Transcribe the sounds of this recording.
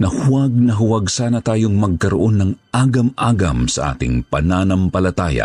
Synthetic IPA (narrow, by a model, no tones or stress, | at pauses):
nɐhʊwɐɡ̚nɐɦʊwɐɡsaːnɐt̪aːjo̞ŋmɐɡ̚kɐɾoʔo̞nːɐŋʔaːɡɐmʔaːɡɐmsɐʔa̰ːt̪ɪ̰ŋpɐ̰naːnɐmpɐlɐt̪aːja̰